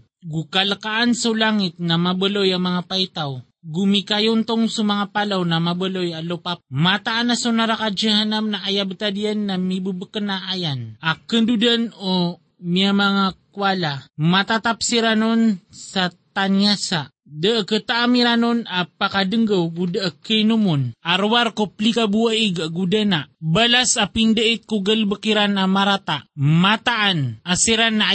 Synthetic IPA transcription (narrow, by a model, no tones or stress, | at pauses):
ɡukalakaʔansulaŋɪt̪̚namabəlojamaŋapait̪aw | ɡumikajʊnt̪oŋsumaŋapalawnamabəlojalopap̚mat̪aʔanasunaɾakad͡ʒəɦanamnaʔajabt̪adianːamibəbəkənaʔajanʔakənd̪udano | miamaŋakwalamat̪at̪ap̚siɾanonsat̪aniasaʔ | dəəkət̪aʔamiɾanunapakadəŋɡəwɡudəʔəkəjnumunaɾwarkopəlikabuəiɡəʔɡudənaʔbalasapindəit̪̚kuɡəlbəkiɾanamaɾat̪aʔmat̪aʔːnasiɾanːa